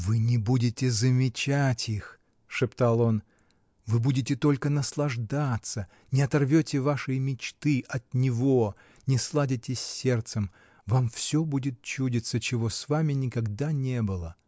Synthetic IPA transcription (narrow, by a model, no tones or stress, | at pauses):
vɨnʲɪbudʲɪtʲɪzəmʲɪt͡ɕatʲix | ʂɨpt̪alˠo̞n | vɨbudʲɪtʲɪt̪o̞lʲkənəslˠɐʐd̪at̪sə | nʲɪɐt̪ɐrvʲotʲɪvaʂɨjmʲɪt͡ɕt̪ɨʔɐt̪̚nʲɪvo̞ | nʲɪslˠadʲɪtʲɪsʲːe̞rt̪sɨm | vamfsʲobudʲɪt̪̚t͡ɕudʲɪt̪sət͡ɕɪvo̞svamʲɪnʲɪkɐɡd̪anʲebɨlˠə